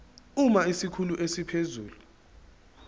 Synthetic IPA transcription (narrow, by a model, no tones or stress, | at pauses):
umaisikʰuluʔesipʰezṵːlu